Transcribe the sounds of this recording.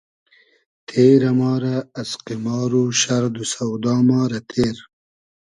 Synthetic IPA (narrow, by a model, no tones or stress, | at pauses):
t̪ʰeːɾɐmɑːɾaːsqimɑːɾuʃɐɾd̪usɐwd̪ɑːmɑːɾɐt̪ʰeːɾ